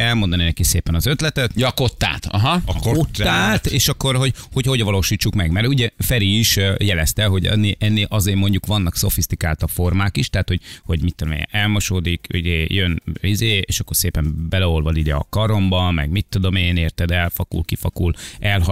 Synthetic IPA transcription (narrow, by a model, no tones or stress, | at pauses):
ɛlmo̞nd̪ɒnenɛkiseːpɛnɒzø̞t̪lɛt̪ɛt̪jkot̪ːa̰ːt̪ɒɦɒkot̪ːaːt̪eːʃɒkːo̞ɾɦo̞ɟho̞cho̞ɟʋɒloːʃiːt͡ʃːukmɛɡmɛɾuɟɛfɛɾiːʃjɛlɛst̪ɛlɦo̞ɟɛ̰nːeʔɛnːeːlʔɒzeːmo̞ɲɟukʋɒnːɒkso̞̰fist̪ikaːlt̪ɒfo̞rmaːkiʃt̪aːt̪ho̞ɟho̞ɟmit̪ːod̪omḛnɛlmoʃoːd̪ikṵɟeːjønizeːeːʃɒkːo̞rseːpɛmbɛlɛolvɒlidɛɒ̰kɒɾo̞mbɒmɛ̰ɡmit̪ːud̪o̞meːneːrt̪ɛd̪ɛlfɒkṵlkifɒkulɛlɦɒ